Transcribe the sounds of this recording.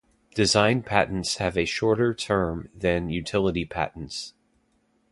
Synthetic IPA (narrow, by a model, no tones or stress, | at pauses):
d̥ɨzãɪ̃npʰæʔn̩tshɨvɨʃɔɹɾə˞tʰɜ̃˞mðɨ̃njʉtʰɪlˠəɾipʰæ̰ʔn̩ts